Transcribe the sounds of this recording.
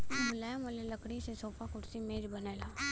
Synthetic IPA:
mʊlamʊleləkɽisesoːpakʊɽsimeːd͡ʒbɐneːlaː

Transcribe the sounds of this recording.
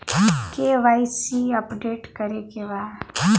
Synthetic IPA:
keʋaːisiɐpɖeːʈkəɾekeʋaː

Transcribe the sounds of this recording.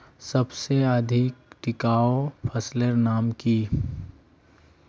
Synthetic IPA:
sɐbseəd̪ʱɪkʈɪkaːopʰəsləɾnaːmki

